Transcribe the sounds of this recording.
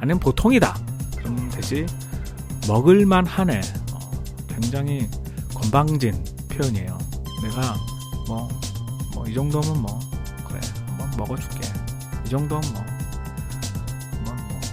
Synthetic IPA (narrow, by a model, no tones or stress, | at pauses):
anɯnpotʰoŋida̰kɯɾʌmntwe̞d͡ʑi | mʌɡɯɭmanhane̞ʌ̰kwe̞ŋd͡ʑaŋɦikʌmbaŋd͡ʑinpʰjojuɲie̞̰jo̰ne̞ɡa | mʌmʌ̰id͡ʑʌŋdomɯnmʌkɯɾḛmʌnmʌɡʌt͡ɕu̥k͈e̞ | id͡ʑʌŋdoɯnmʌ | mʌnmʌ